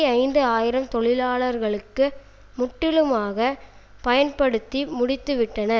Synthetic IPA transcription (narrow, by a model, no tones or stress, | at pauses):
ɐɪnd̪ɯaːjɪɾɐmt̪ɔɭɪlaːɭɐɾɣɐɭɯkːɯ | mʊʈːɪlɯmaːɣɐ | pɐjɐnpɐɽɯt̪ːimʊɽɪt̪ːɯʋɪʈːɐnɐ